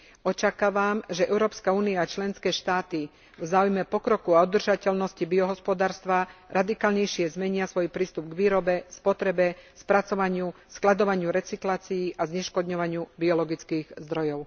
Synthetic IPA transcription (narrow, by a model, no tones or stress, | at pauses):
ɔt͡ʃakaːʋamʒɛɛʊɾɔːpskauːniaːt͡ʃlɛnskɛːʃt̪aːt̪i | vzaːujmɛpɔkɾɔkuaud̪r̩ʒacɛlnɔscibiɔɦɔspɔd̪aːɾst̪ʋaɾʔad̪ikaːlɲɛjʃɪɛzmɛɲɪasʋɔjpɾiːst̪ubɡʋiːɾɔbɛspɔt̪ɾɛbɛspɾat͡sɔʋaɲɪusklad̪ɔʋaɲɪuɾɛt͡siklaːt͡siiʔazɲɛʃkɔd̪ɲɔʋaɲɪubiɔlɔɡit͡skiːɣzd̪ɾɔjɔʊ